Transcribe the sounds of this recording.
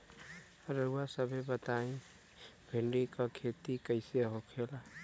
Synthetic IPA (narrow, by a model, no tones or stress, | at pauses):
ɾəuasəbʱebət̪aĩ | bʱeɳɖikɔkʰet̪ikəɪseɦokʰela